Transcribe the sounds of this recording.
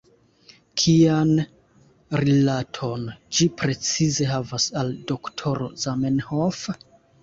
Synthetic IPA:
kʰian | ɾilatʰo̞nd͡ʒipɾe̞t͡size̞ɦavasaldo̞ktʰo̞ɾo̞̰zamenhof

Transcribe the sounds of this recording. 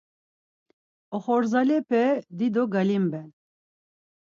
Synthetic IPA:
ɔχɔɾzalɛpʰɛd̪id̪oɡalimbɛn

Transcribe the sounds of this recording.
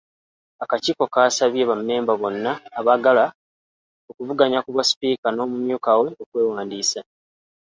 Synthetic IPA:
akaciːko̞kaːsaβje̞βamne̞ːmbaβo̞nːaːβaɡala | okuvuɡaɲakuβaspiːkano̞ːmumjuːkawe̞okwe̞ːwaːndiːsa

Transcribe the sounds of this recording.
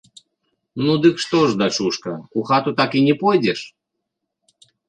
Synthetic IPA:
nud̪ɨkʂt̪ɔʐd̪ɐt͡ʂuʂkɐuxat̪ut̪akinʲɛpɔjdʲɛʂ

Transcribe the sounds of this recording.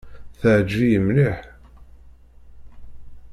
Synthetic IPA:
θəʕd͡ʒːijəmliħ

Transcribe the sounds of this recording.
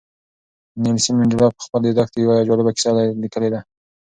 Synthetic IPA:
nelsimɪɳdɪlɑpə̥xpəld̪ed̪ɑk̚t̪ejawad͡ʒɑlɪbakɪ̥sɑd̪alikəled̪a

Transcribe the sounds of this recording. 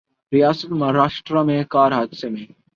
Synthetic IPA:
ɾijaːsət̪maɾaːʃʈɾamẽkaːɾɦaːd̪semẽ

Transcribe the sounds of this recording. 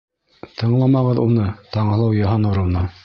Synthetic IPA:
t̪ʰɤ̆ɴlˠɑmɑʁɤðunɤt̪ɑɴɤ̆lˠɑwjɑɦɑnuɾɤ̆wnɤ

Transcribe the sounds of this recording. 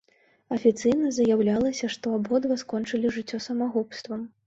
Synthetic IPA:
ɐfʲit̪sɨjnɐzɐjawlʲalˠɐsʲɐʂt̪ɔabɣɔd̪vɐskɔnt͡ʂɨlʲiʐɨt͡sʲːɔsɐmaɣupst̪vɐm

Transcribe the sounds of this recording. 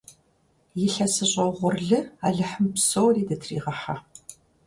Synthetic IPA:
jɪɬɐsɨɕʼɐʁʷʊrɮɨaɮɨħəmpsowriːdɐtʰrḭːʁɐħa

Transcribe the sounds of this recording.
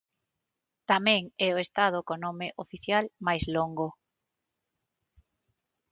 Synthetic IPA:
t̪amɛ̃ŋɛoest̪að̞okonomeʔofiθjalmajzloŋɡo

